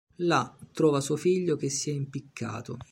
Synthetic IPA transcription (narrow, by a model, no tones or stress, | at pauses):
lat̪ːɾɔːvasuofiʎːok̟esːiɛimpikʰːa̰ːt̪o